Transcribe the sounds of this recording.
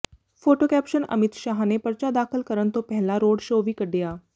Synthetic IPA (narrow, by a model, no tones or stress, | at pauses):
pʰoːʈoːkɛːpʃənə̰mɪt̪ʃaːɦaneːpəɾt͡ʃaːd̪aːkʰəlkəɾənt̪õpɛɦlaːɾoːɖʃoːʋiːkəɖːejaː